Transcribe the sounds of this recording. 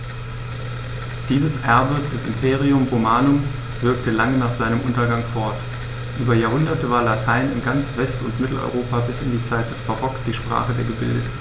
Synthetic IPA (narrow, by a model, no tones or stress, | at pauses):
d̥iːzəsʔɛɐbəd̥ɛsɪ̰mpʰeːʁ̞iʊmʁomaːnʊm | vɪɐktəlaŋənaːχz̥aɪnəmʔʊntɐɡaŋfɔɐt | ʔyːbɐjaːɐɦʊndɐtəvaːɐlatʰaɪnɪ̰nɡant͡sv̥ɛstʊntmɪtl̩ʔɔ̰ʏʁoːpabɪsɪndiːt͡saɪt̚d̥ɛsb̥aʁɔkd̥iːʃpʁ̥a̰ːχədeːɐɡəbɪ̰ldətn̩